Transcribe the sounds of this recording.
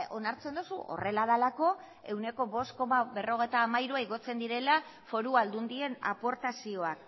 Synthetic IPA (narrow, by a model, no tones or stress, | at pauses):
o̞naɾt͡se̞nd̪usṵʔo̞̰re̞laðalako̞ | e̞wne̞ko̞βo̞st̪̚ko̞maβe̞ro̞ɣ̞ejt̪aːmaiɾuaiɣo̞t͡se̞nd̪iɾe̞la | fo̞ɾuald̪und̪ie̞na̰po̞ɾt̪asio̞ak̚